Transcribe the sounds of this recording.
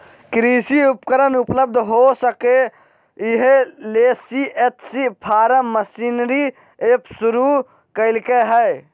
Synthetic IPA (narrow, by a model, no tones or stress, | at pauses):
kɾiːsiʊpkəɾənʊpləbd̪ʱɦosəke | ɪɦleːsiet̪ʰsipʰaːɾəməsiːnɾi | eːpsʊɾu | kəɪlkeɦɛː